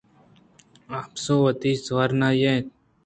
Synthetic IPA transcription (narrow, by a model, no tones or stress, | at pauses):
aːpsoːʋət̪iːsʋaɾnaːjẽ